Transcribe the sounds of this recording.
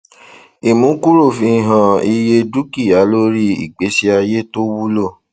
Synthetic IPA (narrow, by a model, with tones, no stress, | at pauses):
i˨mũ˨˦ku˦ɾo˦˨fĩ˧i˨ɦã˨i˧je˧du˦ki˦˨ja˨˦lo˦ɾi˦ḭ˦˨k͡pe˨˦si˦a˧je˦to˦wu˦lo˦˨